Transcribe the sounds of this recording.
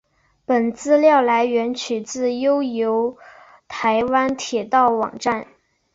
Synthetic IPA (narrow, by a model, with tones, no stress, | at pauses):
pə˨˩nt͡sɹ̩˥˧ljɑ˥˩ʊla˧˥ɪɥɛ˧˥nt͡ɕʰy˨˩t͡sɹ̩˥˩jo˥ʊjo˧˥ʊ | t̪ʰa˧˥ɪwa˥nt̪ʰjɛ˨˩t̪ɑ˥˩ʊwɑ̰˨˩ŋʈ͡ʂa˥˩n